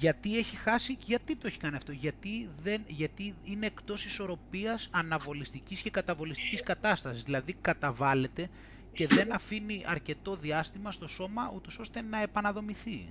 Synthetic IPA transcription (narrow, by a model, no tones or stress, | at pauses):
ʝɐt̪ie̞çixɐsiʝɐt̪it̪o̞e̞çi̥kɐniɐft̪o̞ʝɐt̪iðenʝɐt̪iineːkt̪o̞siso̞ɾo̞piɐsɐnɐvo̞list̪icisce̞kɐt̪ɐvo̞list̪i̥ciskɐt̪ɐst̪ɐsizðilɐðikɐt̪ɐvɐle̞t̪e̞ | ce̞ðe̞nɐfiniʔɐɾce̞t̪o̞ðiɐst̪imɐst̪o̞so̞mɐut̪o̞so̞st̪e̞nɐe̞pɐnɐðo̞miθi